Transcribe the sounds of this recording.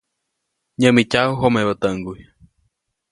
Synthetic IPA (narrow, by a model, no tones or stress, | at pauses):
ɲə̃mĩt͡ʃauɦomẽβət̪əŋɡuj